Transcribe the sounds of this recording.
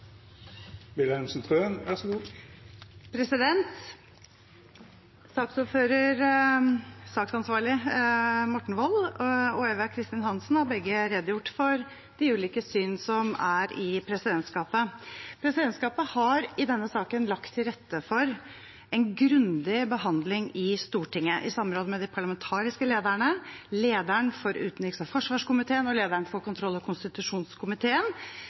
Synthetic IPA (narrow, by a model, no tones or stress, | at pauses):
bɪləhɛnsnt̪ʰʁøːnʋæʁsɔɡuː | pʰɾɛsɪd̪ɛnt̪ | sɑːksuːføːɾəɾ | sɑːksɑnsʋɑːɭɪ | mɔʈːɳ̩ʋɔlːɔeːʋəkʰɾɪst̪ɪnhɑnsn̩hɑɾbɛɡːəɾɛd̪jʊʈːfɔɾ | d̪̥ɪʉːliːkəsyːnsɔmæɾɪpʰɾɛsɪd̪ɛnt̪skɑːpəpʰɾɛsɪd̪ɛnskɑːpəhɑɾɪd̪ɛnːəsɑːkənlɑkt̪ʰːɪlɾɛt̪ːəfɔɾ | ɛnɡɾʉnd̪ɪbəɦɑnd̪lɪŋɪst̪uːʈʰɪŋːəʔɪsɑmːəɾoːd̪əmɛd̪ɪpʰɑɭɑmɛnt̪ʰɑːɾɪskəleːd̪əɳəleːd̪æɳfɔɾʉ̰ːt̪nlɪksɑfɔʂʋɑːʂkʊmɪt̪ʰeːənɔleːd̪əɳfɔɾkʊnt̪ʰɾɔlːɔkʰʊnst̪ɪt̪ʉʂuːnskʰʊmɪt̪ʰeːən